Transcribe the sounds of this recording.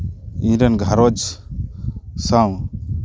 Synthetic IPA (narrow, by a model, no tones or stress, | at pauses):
ĩɾɛnɡʱaɾɔd͡ʒ | saw